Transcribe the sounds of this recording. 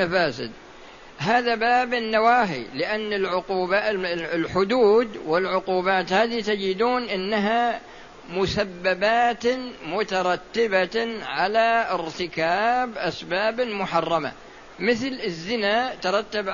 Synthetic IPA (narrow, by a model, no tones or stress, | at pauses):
afaːsɪ̰d̪ | ɦaːðabaːbɪnːawaːɦḭlɪʔanːɪlʕʊquːbalħʊd̪uːd̪wɪlʕʊquːbaːt̪haːðit̪ad͡ʒɪd̪uːnʔɪnːaɦa | mʊsabːabaːt̪mʊt̪ɑɾˤɑt̪ːɪbaʕalaɪɾt̪ɪkaːbʔasbaːbmʊħɑrˤːɑma̰ | mɪθlɪzːɪnat̪ɑɾˤɑt̪ːab